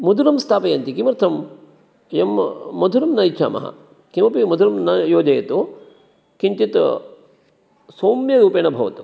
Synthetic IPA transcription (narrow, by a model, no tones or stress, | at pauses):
mud̪ʱuɾɐmst̪ʰaːpɐjɐnt̪ikimɐɾt̪ʰɐm | jɐmːɐd̪ʱuɾɐmnɐjt͡ʃʰa̰ːmɐ̰ɦɐ̰ | kimɐpimɐd̪ʱuɾɐmnɐjoːd͡ʒɐjɐt̪u | kiɲt͡ʃit̪ | soːmjɐɾuːpeːnɐbʱɐʋɐt̪u̥